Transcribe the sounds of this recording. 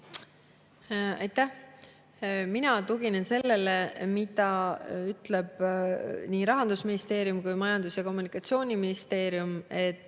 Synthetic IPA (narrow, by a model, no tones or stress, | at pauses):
ɑ̰jt̪ːæh | minɑt̪uɡinense̞lːe̞le̞mit̪ɑyt̪ˑle̞b̥ | niːɾɑɦɑnd̪̥usminist̪e̞ːɾjumkujmɑjɑnd̪usjɑko̞mːunikˑɑt̪sio̞ːnʲiminist̪e̞ːɾjume̞t̪ːˑ